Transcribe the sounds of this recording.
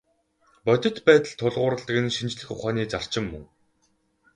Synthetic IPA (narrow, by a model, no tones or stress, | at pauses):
pɔt̪ʲɪ̆t̪pæːt̪ə̆ɮt̪ʰːʊɮʁʊːɾə̆ɮt̪ə̆ɣɘ̆nʃint͡ɕɮɘ̆xʊχaːniːt͡sar̥t͡ɕɪ̆mːɵ̰ŋ